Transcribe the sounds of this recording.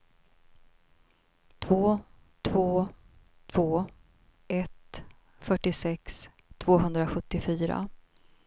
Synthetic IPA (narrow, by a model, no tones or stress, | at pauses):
t̪ʰvoː | t̪ʰvoː | t̪ʰvoː | ɛt̪ | fœʈːɪsɛks | t̪ʰvoːɦɵnd̪ɾaɧɵt̪ːɪfyːɾa̰